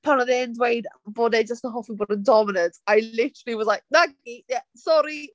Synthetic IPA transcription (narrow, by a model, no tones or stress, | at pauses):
pʰawnaðendwejdboːded͡ʒəstənɦɔfibɔdəndɔmɪnə̃ntajlɪtʰəɾəl̩ˠiwɔzlajk̚naɡɡijasɔɾi